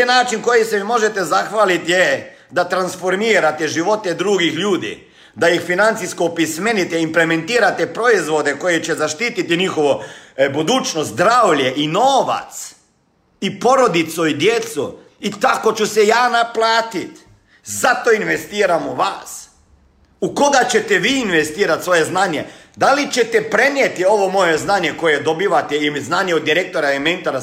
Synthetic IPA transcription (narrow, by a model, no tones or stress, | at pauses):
enaːt͡ʃinko̞jisemimo̞ʒet̪ezaxʋaːlit̪je | d̪at̪ɾansfoɾmiːɾat̪eʒiʋo̞t̪ɛd̪ɾuɡixʎuːd̪ḭ | d̪ajixfinant̪siskoːpismenit̪ɛimpleme̞nt̪iːɾat̪epɾo̞izʋo̞d̪eko̞jet͡ɕezaʃt̪iːt̪it̪iɲixoʋobud̪uːt͡ʃnot̪d̪ɾaːʋʎeʔinoːʋa̰t̪s | ipo̞ɾo̞d̪it̪suid̪je̞t̪su | it̪ako̞t͡ʃusejaːnaplˠaːt̪it̪ | zat̪oinʋe̞st̪iːɾamuʋa̰ːs | uko̞ɡat͡ɕe̞t̪eʋiːinʋest̪iːɾat̪sʋo̞je̞znaɲe | d̪alit͡ɕe̞t̪epɾe̞njet̪io̞ʋo̞mo̞jeznaɲe̞ko̞je̞d̪o̞biʋat̪eimznaːɲeod̪ːiɾek̚t̪o̞ɾaement̪oɾa